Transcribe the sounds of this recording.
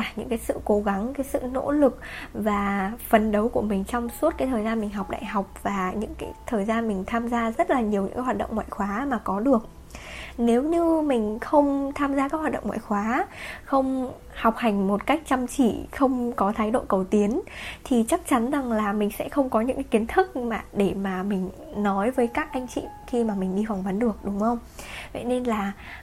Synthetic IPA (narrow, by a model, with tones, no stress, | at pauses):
aː˨˩ɲɨ̰˧˥ŋkaː˨˦jsɨ̰˧˨ko˨˦ɣa˨˦ŋkaː˨˦jsɨ̰˧˨no̰˧˥lɨ˨˩k̚vaː˨˩fə˨˩nɗə˨˦wku˧˩əmï˨˩ŋ̟t͡ɕɔ˧wŋ͡msu˦˥t̚kaː˨˦jt̪ʰəː˨˩jzaː˧nmï˨˩ŋ̟ɦa˨˩wk͡p̚ɗa̰ː˧˨jɦa˨˩wk͡p̚v̥aː˨˩ɲɨ̰˧˥ŋkaː˨˦jt̪ʰəː˨˩jzaː˧nmï˨˩ŋ̟t̪ʰaː˧mzaː˧zə˦˥t̚laː˨˩ɲi˨˩əwɲɨ̰˧˥kːa˨˦jwa˨˩ɗə̰˧˨ŋ͡mŋwa̰ː˧˨jxwaː˨˦maː˨˩kɔ˨˦ɗɨ˨˩ək̚ | ne˨˦wɲɨ˧mï˨˩ŋ̟xə˧wŋ͡mt̪ʰaː˧mzaː˧kaː˨˦˥k̚wa˨˩tɗə˧˨ŋ͡mŋwa̰ː˧˨jxwaː˨˦xə˧wŋ͡m | ha˨˩wk͡p̚ha˨˩jŋ̟mo˨˩t̚ka˦˥jk̟̚t͡ɕə˧mt͡ɕḭ˧˩˨xə˧wŋ͡mkɔ˨˦t̪ʰaː˨˦jɗo̰˧˨kə˨˩wt̪i˨˦ənt̪ʰi˨˩t͡ɕa˦˥k̚t͡ɕa˨˦nza˨˩ŋlaː˨˩mï˨˩ŋ̟sɛ̰˧˥xə˧wŋ͡mkɔ˨˦ɲɨ̰˧˥ŋka˨˦ki˨˦ənt̪ʰɨ˦˥k̚maː˨˩ɗe˧˩maː˨˩mï˨˩ŋ̟ | nɔ˨˦jvəː˨˦jkaː˦˥k̚ʔa˧jŋ̟t͡ɕḭ˧˨xi˧maː˨˩mï˨˩ŋ̟ɗi˧fwŋ͡mvə˨˦nɗɨ˨˩ək̚ɗʊ˨˦ŋ͡mxə˧wŋ͡m | və̰˧˨jne˧nlaː˨˩